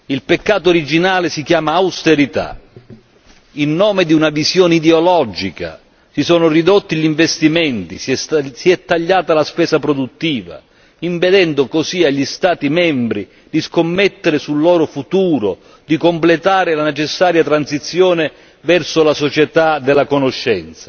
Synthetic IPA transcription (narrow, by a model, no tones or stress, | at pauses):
ilpekːaːt̪oːɾid͡ʒinaːlɪsikjaːmaːwst̪eɾit̪a̰ | inːɔːmɪd̪iunavizjɔːneid̪eolɔd͡ʒika̰ | sisɔːnʊrid̪ot̪ːiʎiɱvest̪imɛnt̪isiɛt̪ːaʎːaːt̪alaspɛːsapɾod̪ut̪ːiːva̰ | impɛd̪ɛnd̪ʊkosiaʎːist̪aːt̪imɛmbɾi | d̪iskomːɛt̪ːeɾɪsulːɔːɾʊfut̪uːɾo̰ | d̪ikomplet̪aːɾɪlanet͡ʃɛsːaːɾjat̪ɾansit̪sːjɔːnɪ | vɛrsʊlasot͡ʃɛt̪ad̪ɛlːakonoʃːɛnt̪sḁ